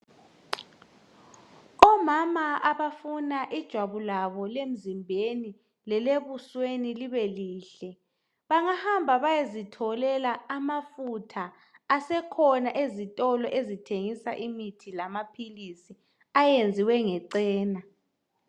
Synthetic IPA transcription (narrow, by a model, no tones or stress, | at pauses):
ɔmamaaβafunaʔid̥ʒ̥ʱwaβulaβɔlem̩zimbʱeni | lɛleβusweniliβɛliːɬɛ | βaŋahambʱaβajezitʰɔlɛlaːmafutʰaː | sɛkʰɔnaʔezitʼɔlɔʔezitʰeŋisaʔimitʰilamapʰilisi | ajend͡zʱiwɛŋɛǀɛːna